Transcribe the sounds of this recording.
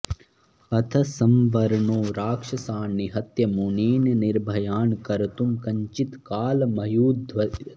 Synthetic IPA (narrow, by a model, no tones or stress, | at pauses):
ɐt̪ʰɐsɐmʋɐɾɳoːɾaːkʂɐsaːnːiɦɐt̪jɐmuneːnɐniɾbʱɐjaːnkɐɾt̪umkɐɲt͡ʃit̪kaːlmɐjuːd̪ʋɐ